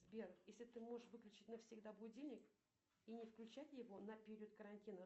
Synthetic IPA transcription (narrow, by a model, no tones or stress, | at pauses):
zbʲerjesʲlʲɪt̪ɨmo̞ʐɨʂvɨklʲʉt͡ɕɪtʲnəfsʲɪɡd̪abʊdʲilʲnʲɪk | inʲɪfklʲʉt͡ɕætʲjɪvo̞nəpʲɪɾʲɪot̪̚kəɾɐnʲtʲinə